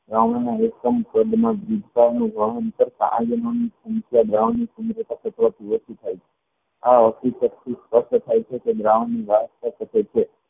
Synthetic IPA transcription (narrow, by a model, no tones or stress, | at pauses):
d̪ɾaʋɳanaekkəmpəd̪mãd͡ʒid̪kanũɡʱəɦənt̪əɾsa̰ã̰jənonisũŋkjad̪ɾaʋnːisund̪ɾət̪asət̪ʋat̪ʰiʋəsit̪ʰajt͡ʃʰe | aɔsisəɾt̪ʰispəʃʈt̪ʰajt͡ʃʰeked̪ɾaʋanːiʋaɦəst̪asəket͡ʃʰe